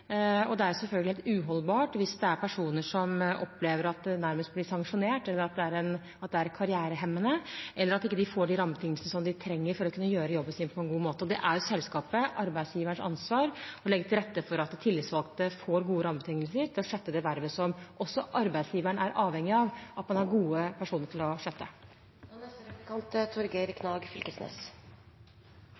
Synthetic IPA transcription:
ɔd̪ɛæɾsɛlfœlɡlhɛlt̪ʉɦɔlːbɑːʈʋɪsd̪ɛæɾpʰæʂuːnəʂɔmʔɔpʰːleːʋəɾɑt̪̚d̪ɛnæɾməst̪̚blɪsɑŋʂʊneːʈɛlːəɾɑt̪̚d̪ɛæɾɛn | ɑt̪̚d̪ɛæɾkʰɑɾɪæːɾəɦɛmːənəʔɛlːəɾɑt̪ɪkːəd̪ɪfoːɖɪɾɑmbt̪ʰɪŋːəlsənəsɔmd̪ɪt̪ʰɾɛŋːəɾfɔɾɔkʰʉnːəjøːɾəjɔbːənsiːnəpʰɔɛnɡuːmoːt̪əɔd̪ɛʔæɾsɛlskɑːpəʔɑɾbæɪsjiːʋəɳʂɑ̰nsʋɑːɾɔlɛɡːət̪ʰɪlɾɛt̪ːəfɔɾɑt̪̚d̪ɛt̪ʰɪlːɪːt̪sʋɑlkt̪əfoːɾɡuːəɾɑmt̪ʰɪŋːəlsəɾt̪ʰɪlɔʂøt̪ːəd̪ɛʋæɾʋəsɔmʔɔsːɔʔɑɾbæɪd̪sjiːʋəɳəæɾʔɑːʋhɛŋːɪɑʋʔɑt̪mɑnæɾɡuːəpʰæʂuːnəɾʈʰɪlɔʂøt̪ːə | nɛst̪əɛt̪əkʰɑnt̪t̪ʰʊɾɡeɾkʰnɑːɡfɪlkəsnɛ̰s

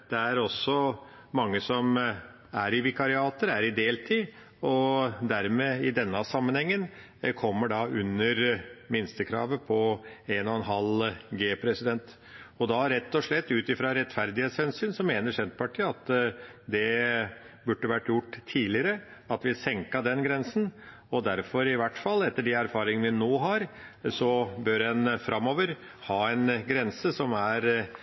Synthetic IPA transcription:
d̪̥ɛæɾɔsːɔ | mɑŋːəsɔm | æɾɪʋɪkɑɾɪɑːt̪əɾæɾɪd̪eːlt̪ʰiː | ɔd̪æɾmeːɪd̪ɛnːɑsɑmːənhɛŋːən | kʰɔmːəɖɑʉnːəɾmɪnst̪əkʰɾɑ̰ːʋəpʰɔeːnɔɛnɦɑlɡeːpʰɾɛsɪd̪ɛnt̪ | ɔd̪ɑɾɛt̪ːɔʂɭɛt̪ːʉːt̪ɪfɾɑɾɛt̪ːfæɾd̪ɪheːt̪shɛnsyːnsɔmeːnəʂɛnt̪̚pʰɑʈʰiːɑt̪d̪ɛ | bʉɖːəʋæʈːjʊʈːt̪ʰiːlɪəɾə | ɑt̪ʋɪsɛŋkɑd̪ɛnɡɾɛnsən̩ | ɔd̪æɾfɔɾɪʋæʈfɑlːɛt̪ːəɖɛæɾfɑːɾɪŋənʋɪnoːɦɑɾsɔbøɾɛnfɾʔɑmːoːʋəɾ | hɑːɛnɡɾɛnsəsɔmæɾ

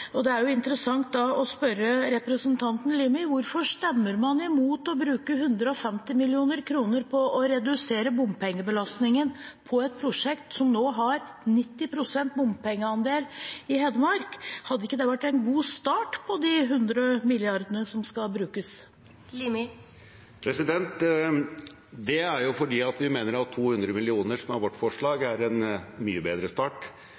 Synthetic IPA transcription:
ɔd̪ɛæɾjʊɪnt̪əɾəsɑŋt̪̚d̪ɑɔspœɾəɾɛpɾəsənt̪ʰɑnt̪n̩liːmɪʋʊɾfɔʂt̪ɛmːəɾmɑnɪmuːt̪ɔbɾʉːkəɦʉnd̪ɾəɔfɛmt̪ɪmɪlɪuːnəɾkʰɾuːnəɾpʰɔʔɔɾɛd̪ʉseːɾəbʊmpʰɛŋːəbəlɑst̪nɪŋənpʰɔɛt̪̚pʰɾʊʂɛkt̪sɔmnoːɦɑɾ | nɪt̪ːɪpʰɾʊsɛnt̪̚bʊmpɛŋːəɑnd̪eːlɪhɛd̪əmɑɾkhɑd̪ːəɪkːəd̪ɛʋæʈːɛnɡuːst̪ɑːʈpʰɔd̪ɪɦʉnd̪ɾəmɪljɪɑɾd̪ənəsɔmskɑbɾʉːkəs | lim | pʰɾɛsɪd̪ɛnt̪ | d̪ɛæɾjʊfɔɖiːɑt̪ʋɪmeːnəɾɑt̪ʰːuːhʉnd̪ɾəmɪlɪuːnəʂɔmhɑɾʋɔʈːfɔʂɭɑːɡæɾɛnmy̰ːəbeːd̪ɾəst̪ɑːʈ

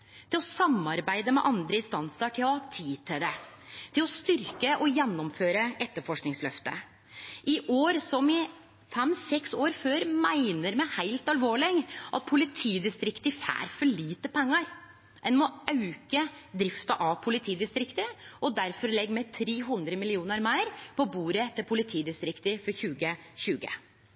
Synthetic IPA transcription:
t̪ʰɪlɔsɑmːɑɾbæɪd̪əmɛ̰ʔɑnd̪ɾəɪnst̪ɑnsəʈʰɪlɔhɑːt̪ʰiːd̪̚t̪ʰːɪd̪ɛt̪ʰɪlɔst̪ʏɾkəʔɔjɛnːɔmføːɾəʔɛt̪ːəfɔʂknɪŋslœft̪ə̰ | ʔɪʔoːɾsɔmɪ | fɛmːsɛksoːɾføːɾmæɪnəɾmɛhæɪlt̪ɑlʋoːɭɪɡʔɑ̰t̪̚pʰʊlɪt̪ʰiːd̪ɪst̪ɾɪkt̪ɪfæ̰ːɾfɔɭiːt̪əpʰɛŋːəɾ | ɛnmɔʔɑʉkəd̪ɾɪft̪ɑʔɑʋpʰʊlɪt̪ʰiːd̪ɪst̪ɾɪkt̪əʔɔd̪æɾfɔɾlɛɡmeːt̪ʰɾeːɦʉnd̪ɾəmɪlɪuːnəɾmæɪɾpʰɔbuːɾət̪ʰɪlpʰʊlɪt̪ʰiːd̪ɪst̪ɾɪkt̪əfɔɾçʉːɡəçʉːɡə̰

